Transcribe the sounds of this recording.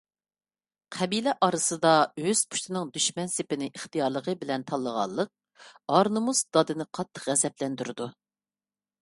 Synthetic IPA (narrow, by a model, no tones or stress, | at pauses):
qʰɛbilɛʔɑɾɨsɨd̪ɑøz̥pʰu̥ʃt̪ʰɪnɨŋd̪yʃmɛnsɪpɪnɪʔeχt̪ɨjɑɾlˠəʁəbɪlɛnt̪ʰɑlˠːəʁɑ̰lˠːəq̚ | ɑɾnɨmusd̪ɑd̪ɨnɨqʰɑt̪ʰːə̥qʁɛzɛplɛnd̪yɾɨd̪u